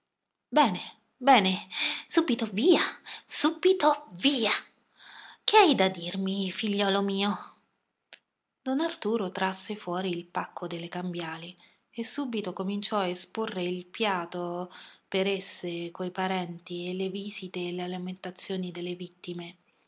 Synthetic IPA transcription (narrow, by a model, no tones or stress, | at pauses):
bɛːne | bɛːnesuːbit̪oviːasuːbit̪oviːa | k̟eajd̪ad̪irmifiʎːɔːlomiːo | d̪̥ɔnart̪uːɾot̪ɾasːefwɔːɾiːlpakːod̪elːekambjaːli | esːuːbit̪okomint͡ʃɔaesporːeilpjaːt̪opeɾesːekojpaɾɛnt̪ieleviːzit̪eːlealament̪at̪sːjoːnid̪elːevit̪ːime